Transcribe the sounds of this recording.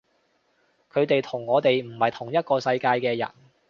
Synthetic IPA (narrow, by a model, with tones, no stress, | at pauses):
kʰɵ˨˧ɥt̪e˨jt̪ʰʊ˨˩ŋːɔː˨˧t̪e˨jm̩˨˩hɐ˨jt̪ʰʊ˨˩ŋjɐ˥t̚kɔː˧sɐ˧jkaː˧jkɛː˧jɐ̰˨˩n